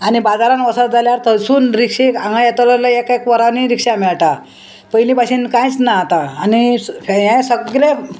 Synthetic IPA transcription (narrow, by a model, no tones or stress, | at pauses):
anibad͡zaɾãnʋəsat̪̚d͡zaljaɾt̪əsuːnɾikʂeãŋɡajɛt̪ələləekekʋəɾaniɾikʂamɛɭʈa | pəjlĩpaɕiːnkãjt͡snaat̪aːniɦɛ̃səɡɾe